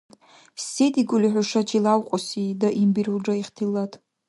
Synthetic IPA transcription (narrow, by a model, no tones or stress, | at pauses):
sediɡʊliħʷʊʂat͡ʃʰilawqʷʼɔsidaʔimbiɾuld͡ʒaiχtʰilːatʼ